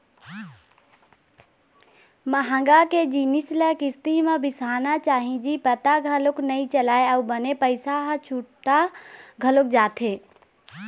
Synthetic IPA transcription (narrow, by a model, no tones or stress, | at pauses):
məɦə̃ŋɡaked͡ʒinisləkɪst̪imẽbɪsaːnat͡ʃaːɦĩd͡ʒipət̪aɡʱəlʊknəĩt͡ʃəlaːeəubənepəɪsaɦt͡ʃʰuʈaɡʱəlʊk̚d͡ʒaːt̪ʰe